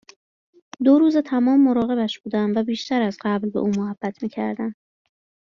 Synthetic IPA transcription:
d̪oɾuːze̞t̪ʰæmɒːmːo̞ɾɒːɣe̞βæʃb̥uːd̪ænvæbiːʃt̪æɾæzɢæblbe̞̰ʔuːmohæb̥ːæt̪ʰmiːcʰæ̰ɾd̪ænd̪̥

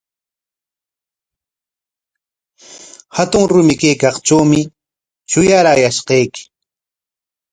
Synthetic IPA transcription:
hat̪ʊŋɾʊmɪkejkɑχt͡ʃawmɪ | t͡ʃʊjaɾajaʃqɑjkɪ̥

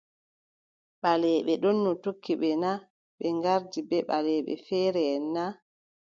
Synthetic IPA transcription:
ɓalɛːɓɛɗɔnːɔtokːiɓɛna | ɓɛŋɡaɾdibɛɓalɛːɓɛ̰fɛːɾɛnːa

